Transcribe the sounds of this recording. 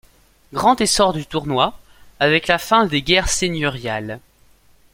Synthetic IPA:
ɡʁɑ̃t̪esɔʁd̪yt̪uʁnwa | avɛklafɛ̃d̪eɡʲɛʁsenjɔʁjal

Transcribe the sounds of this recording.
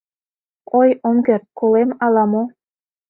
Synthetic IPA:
ojomɡer̚kolemɑlɑmo

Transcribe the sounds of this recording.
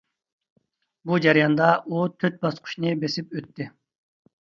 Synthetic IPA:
bud͡ʒæɾijɑnd̪ɑʔut̪ʰøt̪̚bɑsqʰʊ̥ʃnɨbesɪpøt̪ʰːɪ

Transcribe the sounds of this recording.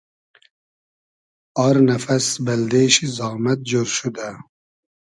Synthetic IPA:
ɑɾnafɐsbɐld̪eːʃizɑːmɐt̪̚d͡ʒoɾʃud̪a

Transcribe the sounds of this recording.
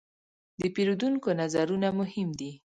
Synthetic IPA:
d̪əpeɾod̪uŋkonazaɾunamʊhɪmd̪i

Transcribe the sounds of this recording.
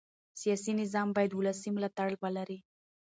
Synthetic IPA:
sijɑsinɪzɑmbɑjad̪wulasimlɑt̪aɽəlwalaɾi

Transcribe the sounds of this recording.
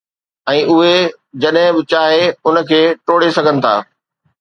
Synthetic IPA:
ɛ̃ːʔʊɦe | d͡ʑɐɗɦɪ̃bɪt͡ɕaːɦeʊnə̆kʰeːʈoːɽesɐɡʱənɪ̆t̪ʰa̰ː

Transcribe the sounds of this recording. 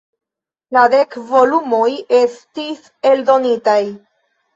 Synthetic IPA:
lade̞kvo̞lumo̞je̞stis | e̞ldo̞nitaj

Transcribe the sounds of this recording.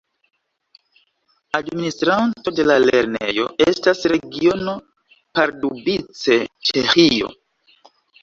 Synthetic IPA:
administɾanto̞de̞lale̞̰ɾne̞̰jo̞ʔe̞stasɾe̞ɡio̞no̞ | paɾdubit͡se̞t͡ʃe̞xijo̞̰

